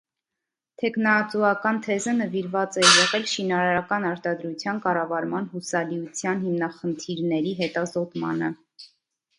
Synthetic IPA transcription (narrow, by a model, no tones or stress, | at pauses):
t̪ʰɛkʰnɑt͡suɑkɑnt̪ʰɛzənəviɾvɑt͡sɛjɛʁɛlʃinɑɾɑɾɑkɑnɑɾt̪ɑd̪ɾut͡sʰjɑnkɑrɑvɑɾmɑnhusɑliut͡sʰjɑnhimnɑχənt̪ʰiɾnɛɾiɦɛt̪ɑzɔt̪mɑ̰nə